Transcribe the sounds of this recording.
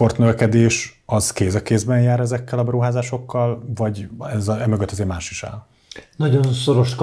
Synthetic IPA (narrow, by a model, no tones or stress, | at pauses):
po̞rt̪nøvɛkɛd̪eːʃɒz̥keːzɛkːeːzbɛnjaːɾɛzɛkːɛlɒbɛɾuɦaːzaːʃo̞kːɒlvɒɟɛzɛmøɡøt̪ːɒzeːrmaːʃiʃa̰ːl | nɒɟo̞nsoɾo̞ʃk